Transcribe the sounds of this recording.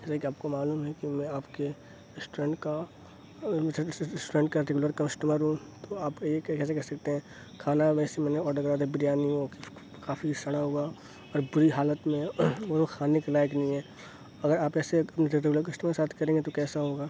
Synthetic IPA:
d͡ʒɛːsekiaːp̚komaːluːmɦɛkimɛ̃aːpke | ɪsʈuɾẽːɳʈka | sʈuːɾẽɳʈkaɾeɡʊləɾkamɐsʈəməɾɦũt̪oaːpjekkɛːs̬ekɛɾsɐk̚t̪eɦɛ̃ː | kʰaːnaʋɛːsemɛːneɔːɾɖoɡɾaːd̪ebɪɾijaːniɦok | kaːfʰisɐɽ̃aɦua | ɔːɾbʊɾiɦaːlət̪mẽʋokʰaːnekelaːjəknɐɦĩɦɛː | ɐɡəɾaːpɛːseɐpneɾɾeɡʊləɾkɐsʈəmkesaːt̪ʰkɐɾẽːŋɡet̪okɛːsaɦoːɡaː

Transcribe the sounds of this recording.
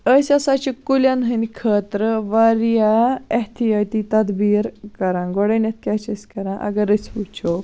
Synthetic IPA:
əsʲasat͡ʃikulʲanɦənikʰəːt̪ɾəʋaɾjaɐht̪ʰijat̪it̪ɐd̪biːɾkɐɾãnɡɔɽɐnɐt̪̚ʰkʲat͡ʃɐsʲkɐɾãʔɐ̰ɡɐɾəsput͡ʃʰo

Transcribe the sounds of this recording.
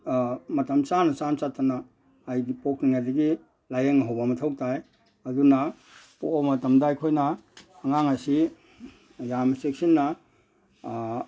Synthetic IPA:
mɐtɐmt͡ʃanɐt͡ʃamt͡ʃatːanaː | jɡipokniŋajdɐɡi | lajeŋɐɦawbamɐtʰawtaj | ɐduna | pobmɐtɐmdaajkʰojnɐːŋaŋasi | jamɐsek̚sinːa

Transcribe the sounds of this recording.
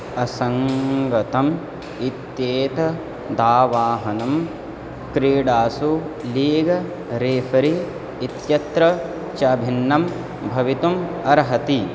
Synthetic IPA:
ɐsɐŋɡɐt̪ɐm | it̪jeːt̪ɐ | d̪aːʋaːɦɐnɐm | kɾiːɽaːsuliːɡɐ | ɾeːfɐɾiː | t̪jɐt̪ɾɐ | t͡ʃɐbʱinːɐm | bʱɐʋit̪umɐɾɦɐt̪i

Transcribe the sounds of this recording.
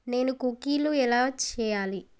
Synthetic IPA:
ne̞ːnukukiːluɛlaːt͡ʃɛːjaːli

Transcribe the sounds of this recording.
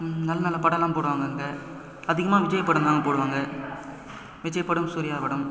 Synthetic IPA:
nɐlːɐnaːlɐpɐɽɐlaːpoːɽɯʋaːŋɡɐɯŋɡɐ | ɐðɪɣɐmaːʋɪd͡ʒɐjɐpːɐɽɯnd̪aːŋɡɐpoːɽɯʋaːŋɡɐ | ʋɪd͡ʒɐjɐpːɐɽɯmsuɾɪjaːʋɐɽɯm

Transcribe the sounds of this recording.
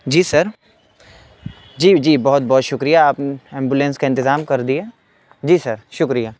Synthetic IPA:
d͡ʒiːsɐɾ | d͡ʒiːd͡ʒiːbɔɦʊt̪̚bɔːt̪ʃʊkɾijaaːpɛ̃ːmbjulẽnskaɪ̃nt̪ɪzaːmkɐɾd̪ieː | d͡ʒiːsɐɾʃʊkɾijaː

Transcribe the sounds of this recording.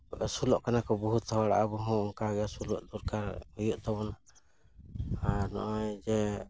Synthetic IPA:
sulɔʔkanakɔbɔɦut̪ːʰɔɔɽa̰ʔabɔɦɔ̃ɔŋkaɡɛjasulɔ̰ʔd̪uɾkaɾhujuʔt̪ɔβɔna | aɾnɔ̰ʔajd͡ʒɛ

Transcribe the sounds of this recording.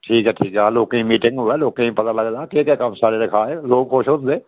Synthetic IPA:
ʈʰiːkɦɛːʈʰiːkɛaloːkẽĩmiːʈɪ̃ŋɡɦʊɛloːkẽĩpɐt̪alɐɡlaːkekɛkəmsaːɾeɾɪkʰaːẽloːɡkʰoːʃond̪eː

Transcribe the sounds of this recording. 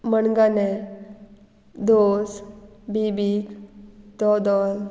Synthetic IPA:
məɳɡane | d̪os | bibikd̪ɔd̪ɔl

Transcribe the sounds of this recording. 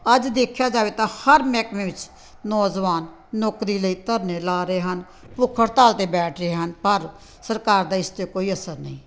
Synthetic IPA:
əd͡ʒd̪eːkʰjaːd͡ʒaːʋeːt̪ãːhəɾmɛːkmẽːʋɪt͡ʃ | nɔːd͡ʒʋaːnː | ɔːkɾiːləiːt̪əɾneːlaːɾeːɦən | pʊkʰəɽt̪aːlt̪eːbɛːʈʰɾeːɦənpəɾ | səɾkaːɾd̪aːɪst̪jeːkoːiːəsəɾnə̰ĩː

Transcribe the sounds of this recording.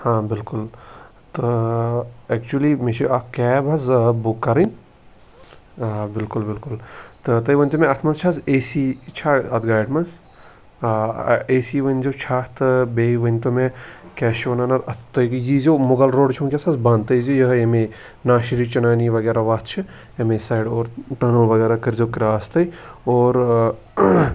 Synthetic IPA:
hãːbɪlkul | t̪ɨ | ɛk̚t͡ʃulimet͡ʃʰiakɛbʱɐzbukːɐɾɐnʲ | bilkulbɪlkult̪ɨt̪ɐiʋənʲt̪umeɐt̪ʰmɐst͡ʃʰaseːsit͡ʃʰaɐt̪ɡaːjɖmɐns | eːsiʋənʲzot͡ʃʰat̪ɨbeːiʋɐnʲt̪omẽkɛːʃɐnanɐt̪ɐt̪ʰt̪ɐjkjizoːmoɡɐlɾoːɖt͡ʃʰonkʲesasbãnt̪ɐjzojɐɦjeme | naːʃiɾit͡ʃɐnaːniʋɐɡeːɾaʋaːt͡ʃʰɨ | emẽsaːjɖoːɾʈɐːnəlʋɐɡɛːɾakɐɾzokiɾaːst̪ɐjoːɾ

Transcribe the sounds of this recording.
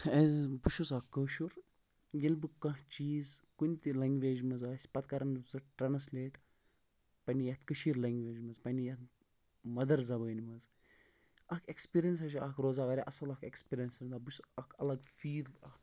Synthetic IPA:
ezbuʃusɐkːəwʃuɾ | jilbɨkɐ̃ɦt͡ʃiːzkunʲt̪ilɐŋɡʋeːd͡ʒmɐzaːsʲpɐt̪kɐɾɐnzɨʈɾɐnɐslʲeːʈ | pɐnijɐt̪kɨʃiːɾlɐŋɡʋʲeːd͡ʒmɐzpɐnʲijɐt̪ | mɐd̪ɐɾzɐbɐɡɐnʲimɐz | ɐkʰekspiɾijɐns̬ɐʃiɐkʰɾoːzaːʋɐɾʲiʔɐsɐlɐkekspʲiɾiɐnsɾʲɐnd̪aːbuʃɐkʰɐlɐɡfiːd̪ɐk

